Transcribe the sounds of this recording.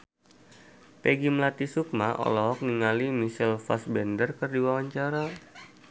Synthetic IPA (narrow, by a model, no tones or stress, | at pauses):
pɛɡimlat̪isuk̚maʔɔ̰lɔɦɔk̚niŋalimisilfa̰sbɛndərkərdiwawaɲt͡ʃaɾa